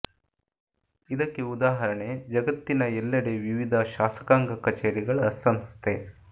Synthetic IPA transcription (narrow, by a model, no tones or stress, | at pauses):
id̪ɐkːeud̪aːɦɐɾɐɳe̞d͡ʒɐɡɐt̪ːinɐɛlːɐɽeʋiʋid̪ʱɐʃaːsɐ̥kaːŋɡɐkɐt͡ʃeːɾiɡɐɭɐsɐmst̪ʰe